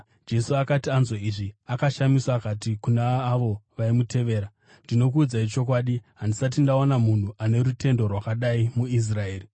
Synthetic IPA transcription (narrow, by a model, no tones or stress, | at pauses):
d͡ʒe̞suakatianzoiʐiakaʃamiswakatikunaːʋo̞ʋaimute̞ʋe̞ːɾa | ndino̞kuːd͡zait͡ʃo̞kwaːɗiɦandisat̬indaonamun̤uʔane̞ɾute̞ndo̞rwakaɗaimuis̬rae̞ːri